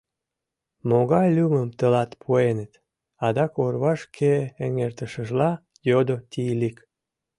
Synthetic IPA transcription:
moɣɑjlʲuməmt̪əlɑt̪pʰuenət̪ | ɑd̪ɑkorβɑʃkʰeːŋert̪əʃəʒlɑ | jod̪ot̪ilik

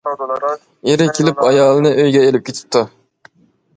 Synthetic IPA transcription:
eɾɪkʲʰelɪpɑjɑːlˠɨnɨʔøjɡʲɛelɪp̚kʲet̪ʰɪ̥p̚t̪ʰːu

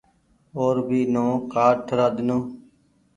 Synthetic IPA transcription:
oːɾbʱiːnõːkaːɖʈ̪ʰəɾaːd̪nõː

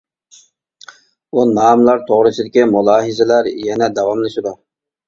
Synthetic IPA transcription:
unɑːmlˠɑɾt̪ʰoʁɾɨsɨd̪ɪkʲimulˠɑːɦɨzɪlæɾjɛnɛd̪ɛwɑmlɪʃɪd̪u

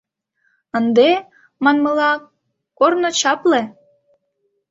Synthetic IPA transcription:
ənd̪e | mɑnmə̆lɑ | kornŏt͡ɕɑple

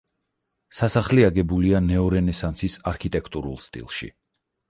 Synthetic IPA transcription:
sasaχliaɡɛbulianɛɔɾɛnɛsant̪sʰisaɾkʰit̪ʼɛkʰt̪ʼuɾṵlˠst̪ʼḭlˠʃḭ

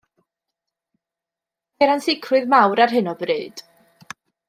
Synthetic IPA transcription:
ɛɾansɪkʰrʊɨðmawɾarɦɨnɔbrɨːd̥

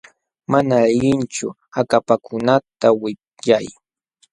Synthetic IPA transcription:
manaʎɪnt͡ʃʊ | akapakʰʊnat̪awɪ | jaj

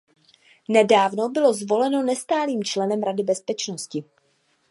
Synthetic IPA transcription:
nɛdaːvno̞bɪlo̞zvo̞lɛno̞nɛst̪aːliːmt͡ʃlɛnɛmɾadɪbɛspɛt͡ʃnoscɪ

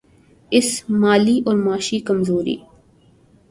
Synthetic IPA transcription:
ɪsmaːliʔɔːɾmaːʃikəmzoːɾḭː

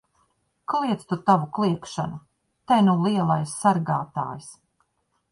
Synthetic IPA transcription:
klˠiɛt̪st̪ut̪avuklˠiɛkʃanu | t̪ajnuliɛlˠajsːaɾɡaːt̪a̰ːjis

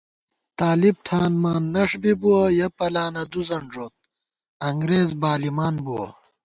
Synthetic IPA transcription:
t̪aːlib̚ʈʰaːnmaːnːɐʂbibuwɐjɐpɐlaːnɐd̪uzɐɳʐoːt̪̚ | ɐŋɡɾeːzbaːlimaːnbuwɐ̰

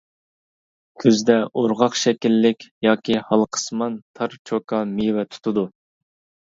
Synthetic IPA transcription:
kʲʰøzd̪ɛʔoɾʁɑqʃɛkʲilːɪkʲjɑːkʲihɑlˠqʰə̥smɑnt̪ʰɑɾt͡ʃʰokʰɑmiwɛt̪ʰu̥t̪ʰud̪u

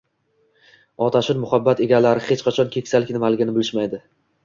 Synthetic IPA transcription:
ɒt̪ʰaʃɪnmʊhabːat̪e̞ɡʲalaɾɪχet͡ʃqʰɑt͡ʃʰɒnkʲʰe̞kʲsalɪkʲnɪmalɪɡʲɪnɪbɪlɪʃmajd̪ɪ

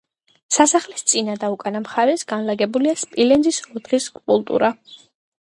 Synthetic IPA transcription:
sasaχlist̪sʼinad̪aukʼanamχaɾɛsɡanlaɡɛbuliaspʼilɛnzisɔd̪ʁiskʼulˠt̪ʼṵɾʔa

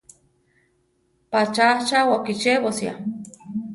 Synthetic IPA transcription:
pat͡ʃat͡ʃawakit͡ʃeβosja̰

